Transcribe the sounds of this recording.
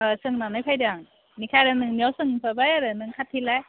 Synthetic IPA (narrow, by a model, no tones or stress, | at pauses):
sɯŋnanajpʰajdaŋ | nikʰaɾɯnɯŋniawsɯŋpʰabajaɾɯnɯŋkʰatʰːilaj